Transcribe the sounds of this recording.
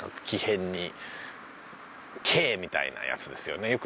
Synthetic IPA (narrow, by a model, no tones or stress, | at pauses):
ḁkʲihẽ̞ɲ̟ːi | kʰe̞ːmʲit̪a̰ḭna̰ja̰t͡sɨd̪e̞sɨjo̞ne̞jo̞k